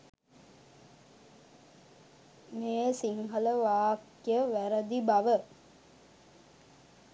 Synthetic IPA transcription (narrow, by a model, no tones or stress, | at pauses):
mesiŋɦələʋaːkː | ijəʋæɾəd̪ibaʋə